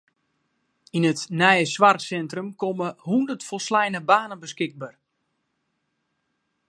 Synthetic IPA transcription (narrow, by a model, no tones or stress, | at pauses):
inətnɛjəsʋarsɛntrəmkoməhundərtfɔlˠslɛjnəbaːnənbəskɪɡ̚bar